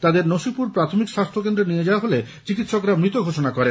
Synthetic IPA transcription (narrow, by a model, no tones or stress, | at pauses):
t̪ad̪eɾnoʃipuɾpɾat̪ʰomikʃast̪ʰokend̪ɾenied͡ʑaoaɦole | t͡ɕikit̪ʃokɾamɾit̪oɡʱoʃonakɔɾen